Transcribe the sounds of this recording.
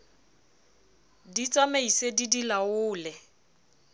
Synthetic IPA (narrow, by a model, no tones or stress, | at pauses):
dit͡sʼameisedidilaʊːlɛ